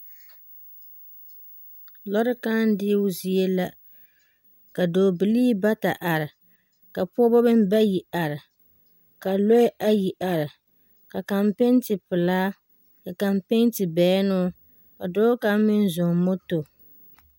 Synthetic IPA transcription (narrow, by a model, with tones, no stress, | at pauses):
lɔ˦ɾɨ˦ka˦n˦dɪ˦ʊ˦zi˨e˦la˦ | ka˨doː˨bɨ˨liː˦ba˦ta˨ʔa˨ɾɪ˨ | ka˨pɔ˦bɔ˦bɨ˦m˦ba˦ji˨ʔa˨ɾɪ˨ | ka˨lo˦ʔa˦ji˨ʔa˨ɾɪ˨ | ka˨ka˨mpe˦n˦tɨ˨pɨ˨laː˦ | ka˨ka˨mpe˦n˦tɨ˨bɛ˨˦nʊ˦ | ka˨doː˦ka˦mɪ˦n˦zʊ˨mo˦to˨